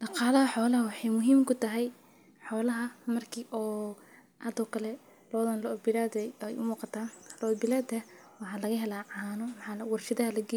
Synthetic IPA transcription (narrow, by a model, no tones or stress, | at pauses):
ɖɑqɑːlɐɦɐħɔːlɐɦɐwɑħɑjmʊɦiːmkʰʊt̪ʰɐɦɛj | ħɔːlɐɦɐmɐrkʰiːʔɔː | ʔad̪ɔːkʰɐlɛ | lɔːðɐnlɐɔbɪlaːd̪ɛjɛ̰jʔʊ̰muːqɑt̪ʰaːnlɔːd̪bɪlaːd̪ɐ | wɑħɑːlɐɣɐɦɛlaːʕɑːnɔmħɑːwɑrʃɪðɐɦɐlɐɡɛ